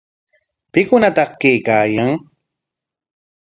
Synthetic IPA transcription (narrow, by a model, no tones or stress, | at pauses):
pɪkʊnat̪ɑχkejkaːjaŋ